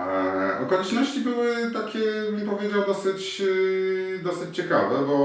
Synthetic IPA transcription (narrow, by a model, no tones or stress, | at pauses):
ʔɔkɔlʲɛt͡ʂnɔɕt͡ɕibɘwɘt̪akʲɛbɘnpɔvʲjed͡ʑawd̪ɔsɘt͡ɕ | d̪ɔsɘt͡ɕt͡ɕɛka̰vɛbɔ